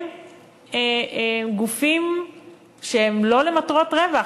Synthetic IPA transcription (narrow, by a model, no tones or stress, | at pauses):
eɡufim | ʃeemlo̞le̞matʁo̞tʁeva